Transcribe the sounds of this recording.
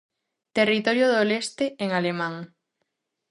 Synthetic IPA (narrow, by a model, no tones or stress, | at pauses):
t̪erit̪oɾjoðolest̪eeŋalemãŋ